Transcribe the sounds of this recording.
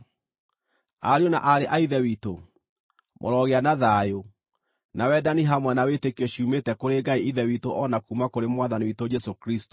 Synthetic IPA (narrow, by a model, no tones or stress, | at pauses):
aɾeona̰ʔaɾeʔaiðɛwito | mʔo̰ɾɔɣeanaðaːjo | nawɛdaniɦamwɛnawetekiɔɕiumetɛkoɾeɡaiiðɛwitoʔɔnakumakoɾemwaðaniwitod͡ʒɛsokɾisto̥